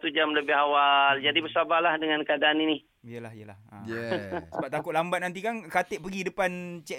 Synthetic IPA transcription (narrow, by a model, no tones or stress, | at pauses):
t̪ud͡ʒamləbɪɦawald͡ʒadibəsabahlahdəŋãnkadaːnini | ijəlahijəla̰hə̰jəsəbap̚t̪akʊt̪̚lambat̪̚nant̪̬ikankat̪eʔpəɡidəpant͡ʃɛ